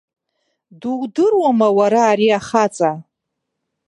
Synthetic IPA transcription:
duwdɨrwamawaɾaːɾiaχat͡sʼa

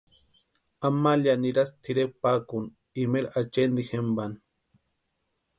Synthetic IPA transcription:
amaljaniɾast̪ʰiɾepakun | imelat͡ʃend̪ixemban

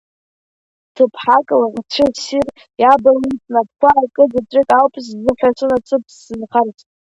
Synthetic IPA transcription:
tʰɨpʰħakʼlat͡ʃʷʰɪsir | jabalit͡sʼnab̚kʷʰaːkʼɨzat͡sʷʼɪkʼawpʼs̬zɨħʷᶣat͡ʃʷʰʼɨnat͡sʼɨpʰsːɨnχart͡sʼ

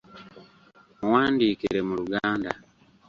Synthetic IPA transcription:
muwaːndiːkiɾe̞muɾuɡaːnda̰

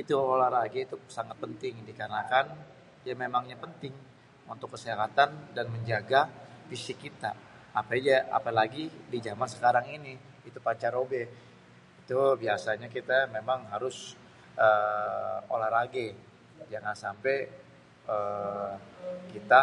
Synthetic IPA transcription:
it̪uoolaɾaɡeit̪usaŋat̪̚pənt̪ɪŋdikənakan | jamemaŋɲapənt̪ɪŋ | unt̪ʊkːəsiɦat̪andanməɲd͡ʒaɡafisɪkːit̪a̰ːpad͡ʒaa̰palaɡidid͡ʒamansə̥kaɾaŋiniː | t̪upat͡ʃaɾobɛ | it̪ubiasaɲakit̪amemaŋɦaɾʊs | ə | olaɾaɡe | d͡ʒaŋansampɛ | ə | kit̪a

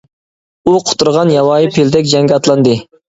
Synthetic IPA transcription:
uqʰʊ̥t̪ːuɾʁɑnjɑwɑːjipʰeld̪ɛkʲd͡ʒɛŋɡʲɑt̪lˠɑnd̪ɨ

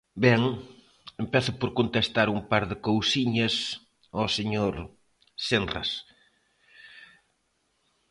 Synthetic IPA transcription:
bɛŋ | empɛθʊpoɾkont̪est̪aɾumpaɾðɪkowsiɲɐs | ɔseɲoɾ | senra̰s

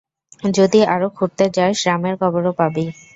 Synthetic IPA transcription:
d͡ʑod̪iaɾokʰuɾt̪et͡ɕaeʃɾameɾkʰɔboɾopabi

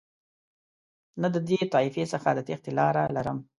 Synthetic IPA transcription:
nad̪əd̪et̪ɑifesəxad̪ət̪ext̪elɑɾalaɾəm

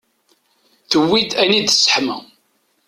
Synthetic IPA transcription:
θəwːid̪ænid̪sːə̥ħmæ̰

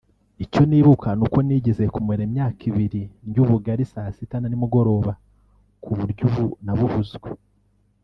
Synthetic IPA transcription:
ico̞niːβukʰanuko̞niːɟe̞ze̞kumweɾemɲaːkʰiβiɾiɲɟuβuɡaɾisaːsitananimuɡo̞ɾo̞ːβa | kʰuβuɾɟuβunaβuβuzɡwe

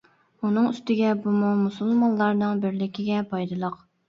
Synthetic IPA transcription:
unɨŋyst̪ɪɡʲɛbumumusulˠmɑnlˠɑɾnɨŋbɪɾlɪkʲɪɡʲɛpʰɑjd̪ɨlˠəq

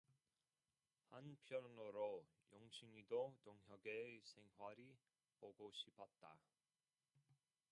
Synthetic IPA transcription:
hanpʰjʌnoɾo | joŋɕʰiŋidotoŋɦjʌɡesʰe̞ŋɦwaɾi | poɡoɕʰipʰʌt̚t͈a̰

